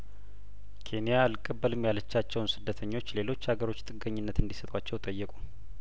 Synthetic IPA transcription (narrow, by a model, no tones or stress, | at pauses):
kʰe̞nijalkʼəbːəlɨmjalət͡ʃːat͡ʃːɛwnsɨd̪ːət̪ʰəɲːo̞t͡ʃːle̞lo̞t͡ʃːhaɡəɾo̞t͡ʃːt̪ʼɨɡəɲːɪnːət̪ɨnd̪isət̪ʼwat͡ʃːɛwt̪ʼəjːɛkʼu